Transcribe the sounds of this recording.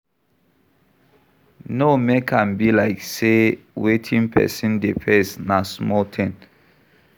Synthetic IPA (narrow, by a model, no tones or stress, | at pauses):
nomekʰãnbilaɪkse | wetʰĩŋpʰɛ̰sĩndipʰɛ̃snasmɔltʰɛ̃n